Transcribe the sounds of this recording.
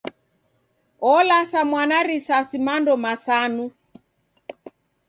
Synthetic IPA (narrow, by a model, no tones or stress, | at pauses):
ɔlasamwanaɾisasimandɔmasanu